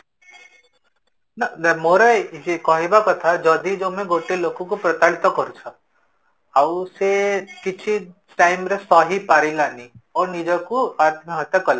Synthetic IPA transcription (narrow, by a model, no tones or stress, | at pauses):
nadamoɾɔekɔɦibakɔt̪ʰad͡ʒɔd̪id͡ʒomẽɡoʈelokukupɾɔt̪aɭit̪ɔkɔɾut͡ʃʰɔ | awusekit͡ʃʰi | ʈajmɾesɔɦipaɾilaniɔnid͡ʒɔkuad̪ʱmaɦɔt̪jakɔla